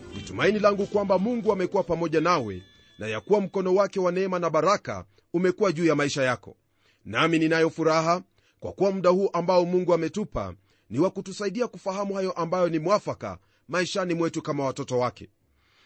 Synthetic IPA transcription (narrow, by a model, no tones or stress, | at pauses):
nḭtumainilaŋɡukwambamuŋɡuamɛkuwapamɔʄanawɛ̰ | najakuwam̩kɔnɔwakɛwanɛɛmanaɓaɾaka̰ | umɛkuwaʄuːjamaiʃajakɔ̰ | namininajɔfuɾaɦa | kwa̰kuwamuɗahuːʔambaɔmuŋɡuamɛtupa̰ | niwakutusaiɗiakufahamuhajɔʔambajɔnimwafaka̰ | maiʃanimwɛtukamawatɔtɔwakɛ̰